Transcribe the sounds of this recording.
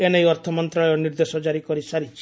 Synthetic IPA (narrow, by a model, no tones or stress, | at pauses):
enejɔɾt̪ʰɔmɔnt̪ɾaɔɔniɾd̪esɔd͡ʒaɾikɔɾisaɾit͡ʃʰi̥